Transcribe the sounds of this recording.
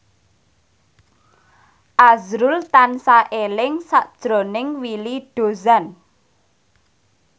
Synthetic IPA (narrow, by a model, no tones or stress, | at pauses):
ʔazɾʊlt̪ansaʔelɪŋsaʔd̥ʒ̥ɾo̤nɪŋwiliɖ̥o̤zan